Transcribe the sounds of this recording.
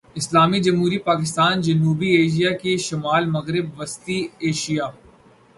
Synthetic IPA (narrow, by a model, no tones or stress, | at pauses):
ɪslaːmid͡ʒɐmɦuːɾipaːkɪst̪aːnd͡ʒɐnuːbieːʃijakeʃɐmaːlmɐɣɾɪbʋɐst̪ieːʃijaː